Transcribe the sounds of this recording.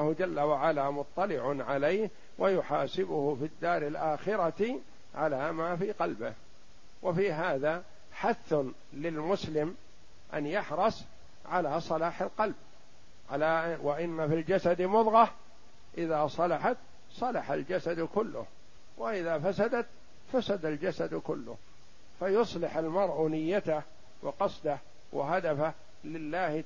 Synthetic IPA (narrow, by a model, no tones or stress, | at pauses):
hd͡ʒalːawaʕalamʊt̪ˤːɑlɪʕʊnʕalejh | wʔajʊħaːsɪbʊhʊfid̪ːaːɾɪlʔaːxɪɾɑt̪ | ʕalaːmaːfiːqɑlbɪ̰h | wɪfiːɦaːða | ħaθːʊ | lɪlmʊslɪm | ʔa̰njaħɾˤɑsˤ | ʕalaːsˤɑlaːħalqɑlb̚ | aawɪʔɪnːafild͡ʒasad̪mʊðˤɣɑ | ʔɪðaːsˤɑlɑħat̪ | sˤɑlɑħa̰ld͡ʒasad̪kʊlːʊ̰h | wɪʔɪðaːfasad̪at̪ | fasad̪ald͡ʒasad̪kʊ̰lːʊ̰h | fajʊsˤlɪħalmɑɾˤʔʊnɪjːat̪ah | wɪqɑsˤd̪ah | wʔɪ̰ɦad̪afah | lɪlːaːh